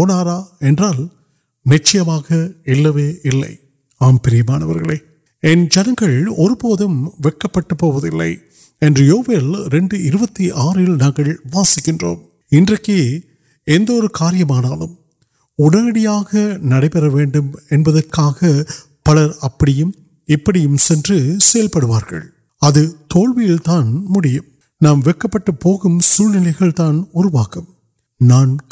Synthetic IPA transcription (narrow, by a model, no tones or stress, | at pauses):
poːnaːɾaːɛndraːl | nɪt͡ʃːɐjɐmaːɣɐɪlːɐʋeːʔɪlːɐ̰ɪ | aːmpɪɾɪjɐmaːnɐʋɐɾɣɐɭɐː | ɛnd͡ʒɛnɐŋɡɐɭɔɾɯpoːðɯmʋɛkːɐpːɐʈːɐpːoːʋɐðɪlːɐ̰ɪ | ɛndrɯjoːʋeːlɾɛɳɖɯɪɾɯbɐt̪ːiʔaːɾɪlnaːŋɡɐɭʋaːsɪkːɪndro̰ːm | ɪndrɐkːe | ɛnd̪ɔɾɯkaːɾɪjɐmaːnaːlɯm | ʊɽɐnɐɽɪjaːɣɐnɐɽɐɪpɛɾɐʋeːɳɖɯmɛnbɐðɐrkaːɣɐ | pɐlɐɾɐpːɐɽɪjɯm | ɪpːɐɽɪjɯmsɛndrɯsɛjɐlpɐɽɯʋaːɾɣɐ̰ɭ | ɐðɯt̪oːɭʋɪjɪlt̪aːnmʊɽɪjɯm | naːmʋɛkːɐpːɐʈːɯpːoːɣɯmsuːlnɪlɐɪɣɐɭt̪aːnʊɾʊʋaːkɯm | naːn